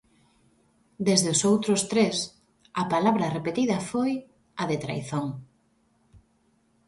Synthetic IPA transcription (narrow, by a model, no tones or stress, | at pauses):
d̪ezðʊsowt̪ɾʊst̪ɾes | ɐpalaβɾɐrepet̪iðɐfoj | ɐðet̪ɾa̰jθoŋ